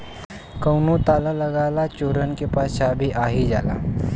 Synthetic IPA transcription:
kəwnut̪alaləɡalat͡ɕoɾənkepaɕabʱiːʔaɦid͡ʑa̰la̰

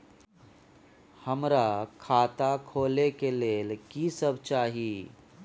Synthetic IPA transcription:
həmɾakʰaːt̪akʰoːlekeleːlkiːsəbʱt͡ʃaːɦiː

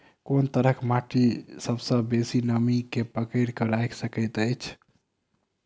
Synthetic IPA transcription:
kont̪əɾəkʰmaʈisəbsə̃besinəmikepəkəɪɾkəɾajksəkət̪əjt͡ʃʰ

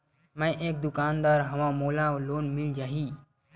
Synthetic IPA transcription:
mãʔeːk̚d̪ʊkaːnd̪aːɾɦəʋãːmoːlãːʋloːnmɪld͡ʒaːɦiː

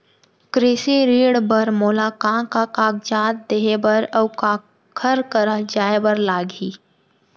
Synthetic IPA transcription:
kɾɪsiɾiːɽbəɾmoːlaːkãːkakaːk̚d͡ʒaːt̪̚d̪eːɦebəɾəwka | kʰəɾkəɾəd͡ʒaːebəɾlaːɡiː

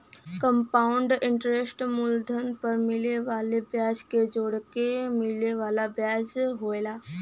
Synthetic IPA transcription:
kə̃mpaːʊɳɖɪ̃ɳʈɾesʈmʊld̪ʱənpɐɾmɪleʋaːlebjaːd͡ʒked͡ʒoːɽkemɪleʋaːlabjaːd͡ʒɦoːelaː

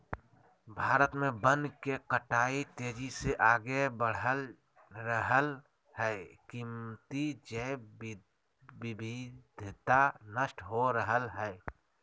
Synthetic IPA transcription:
bʱaːɾət̪mẽbənkekəʈaːit̪eːd͡ʒiseʔaːɡebəɽ̤əl | ɾəɦəl | hɛɪkimt̪id͡ʒəb | bɪbʱɪd̪ʱt̪anəsʈɦoɾəɦəlɦɛɪ

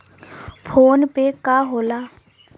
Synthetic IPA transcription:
fʰonpɛkʼaɦʊla

